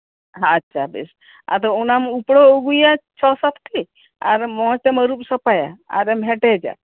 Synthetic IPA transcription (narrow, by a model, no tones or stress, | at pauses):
ɦãːtːt͡ʃʰabḭs | a̰t̪ɔunamupɽɔoɡujat͡ʃʰɔsat̪ʰt̪i | aɾmɔ̃t͡ʃeməɾupsəpaja̰a̰ɾɛmɦɛʈɛd͡ʒa̰